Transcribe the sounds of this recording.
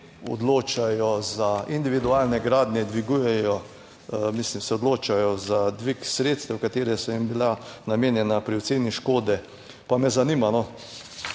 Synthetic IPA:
ɔ̰d̪loːt͡ʃajɔzaind̪iʋid̪uaːlnɛɡɾaːd̪nʲjɛd̪ʋiɡujɛjɔ | mislimsɛɔd̪loːt͡ʃajɔzad̪ʋiksɾet̪st̪ɛwkat̪eːɾɛsɔimbilanameːnjɛnapɾiw̪seːniʃkoːd̪ɛ | pamɛzanimanɔ

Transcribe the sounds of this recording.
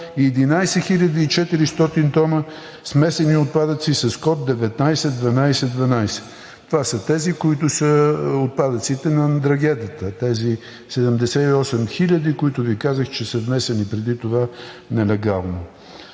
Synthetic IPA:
iɛd̪inajsɛxilʲɐd̪iːt͡ʃɛt̪iɾist̪ɔt̪int̪ɔnə | smɛsɛniot̪̚pad̪ət̪sisɐskɔt̪̚d̪ɛvɛt̪najsɛd̪vɐnajsɛd̪vɐnajsɛ̥ | t̪ovasət̪ɛzikoit̪ʊsəot̪̚pad̪ət̪sit̪ɛnɐd̪ɾɐɡʲɛd̪iət̪ət̪ɛzi | sɛd̪əmd̪ɛsɛiɔsɛmxilʲəd̪ikoit̪ʊvikazəxt͡ʃɛsəvmɛsɛnipɾɛd̪it̪ova | nɛlɛɡalˠno

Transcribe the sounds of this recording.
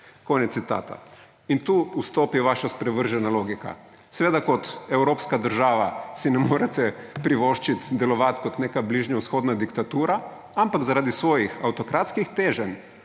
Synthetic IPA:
koːnɛt̪sit̪a̰ːt̪ʰa̰ | int̪uːust̪oːpjɛʋaːʃaspɾɛʋəɾʒɛnaloːɡika̰ | sɛʋeːd̪akɔt̪ɛwɾoːpskad̪əɾʒaːʋasinɛmoːɾɛt̪ɛpɾiʋoːʃt͡ʃit̪d̪ɛlɔʋat̪kɔt̪neːkabliːʒnjawsxoːd̪nad̪ikt̪at̪uːɾa | ampaɡzaɾaːd̪isʋoːjixawt̪ɔkɾaːt̪skixt̪eːʒɛn

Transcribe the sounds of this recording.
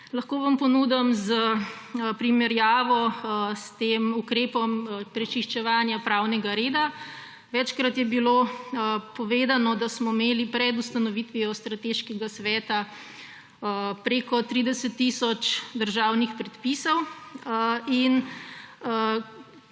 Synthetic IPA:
lɐxkoːʋampɔnuːd̪amzə | pɾimɛɾjaːʋɔst̪eːmukɾeːpɔmpɾɛt͡ʃiʃt͡ʃɛʋaːnjapɾawnɛɡaɾeːd̪a | ʋɛt͡ʃkɾat̪jɛbilo | pɔʋeːd̪anɔd̪asmɔimeːlipɾɛd̪ust̪ɐnɔʋit̪ʋiɔst̪ɾat̪eʃkɛɡasʋɛːt̪a | pɾekɔt̪ɾid̪ɛsɛt̪ːisɔt͡ʃd̪əɾʒawnixpɾɛt̪pisɔw | in

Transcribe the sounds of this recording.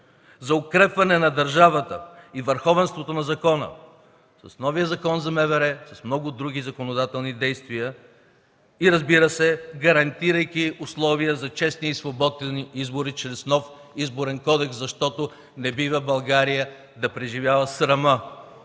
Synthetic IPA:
zɐʊkɾɛpvɐnɛnɐd̪ɐɾʒavɐt̪ə̰ivəɾxɔvɛnst̪vot̪onɐzɐkɔnə̰ | sɐsnɔvijəzɐkɔnzɐmɛvɛɾɛsɐsmnɔɡʊd̪ɾuɡʲizɐkonod̪at̪ɛlˠnid̪ɛjst̪vijə | iɾɐzbiɾəsɛɡɐɾɐnt̪iɾəjkiʊslˠɔvijəzɐt͡ʃɛsniːsvobɔd̪ɛniizbʊɾit͡ʃɾɛsnɔf | izboɾɛnkɔd̪ɛkszɐʃt̪ɔt̪o | nɛbivɐbɐlˠɡaɾijə | d̪ɐpɾɛʒivʲjavɐsɾɐmə

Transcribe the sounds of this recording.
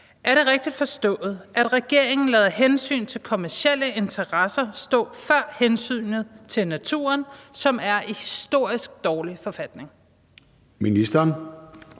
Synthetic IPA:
ʔæɐɾe̝ʁeɡ̥̚d̥id̥fɒ̽sd̥ɔ̰̽ːð̞̩ˠʔæd̥ʁɛɡ̥e̝ɐ̰e̝ŋn̩lɛːð̞ˠɐɦensy̰ːnt͡sʰe̝lkʰo̝mæɐsel̰əʔe̝nt͡sʰɐʁɑsɐsd̥ɔ̰̽ːfɶɐ̰hensy̰ːnəð̩ˠt͡sʰe̝lnæt͡sʰṵːɐnsɒ̽mæɐʔihisd̥o̝ɐ̰isɡ̥̚d̥ɒːlifɒ̽fæd̥ne̝ŋ | minisd̥ɐn

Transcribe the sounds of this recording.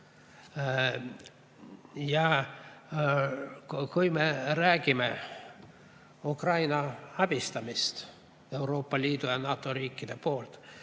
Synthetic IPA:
jɑ | kujme̞ɾæːɡ̥ime̞ | ukrɑjnɑɑb̥ist̪ɑmist̪ | e̞wɾo̞ːpːɑlʲiːd̪ujɑnɑːt̪ːˑo̞ɾiːkːid̪̥e̞po̞ːlt̪

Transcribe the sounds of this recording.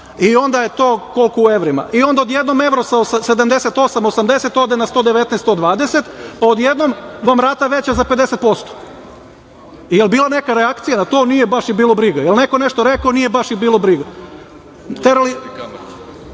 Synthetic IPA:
io̞nd̪ajet̪oːko̞lkoueʋɾima̰ʔio̞nd̪aod̪je̞d̪no̞me̞ʋɾosaosase̞d̪amd̪e̞set̪o̞samosamd̪e̞set̪o̞d̪enast̪od̪eʋe̞t̪neɛst̪od̪ʋaːd̪eset̪pao̞d̪jed̪nomʋamɾaːt̪aʋet͡ɕazape̞d̪e̞set̪̚po̞st̪o̥ | ijelbiːlˠane̞kaɾeakt̪sijanat̪o̞ːnijebaʃibiːlˠo̞bɾiɡajelne̞ko̞ne̞ʃt̪oɾekaonijebaʃibiːlˠobɾiɡa | t̪eɾali

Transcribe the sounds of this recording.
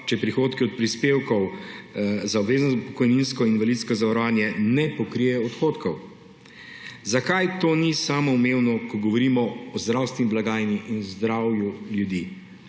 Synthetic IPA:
t͡ʃɛpɾixoːt̪kiɔt̪̚pɾispeːwkɔw | zaɔbʋeːznɔpɔ̥kɔjninskɔinʋalit̪skɔzaʋaɾɔʋaːnjɛnɛpɔkɾijɛɔt̪xoːt̪kɔw | zakajt̪oːnisaːmɔumewnɔkɔɡɔʋɔɾiːmɔɔzd̪ɾawst̪ʋɛniblaɡaːjniʔinɔzd̪ɾawjuljud̪i

